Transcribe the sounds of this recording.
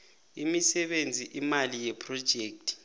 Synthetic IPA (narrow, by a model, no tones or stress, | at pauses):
imisɛɓend͡zʱiʔimalijɛpʰrɔd̥ʒ̥ʱeːk̚tʰʼi̥